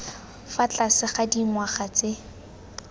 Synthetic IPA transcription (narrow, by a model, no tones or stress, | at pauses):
fat͡ɬasɪχadimwaχat͡sɪ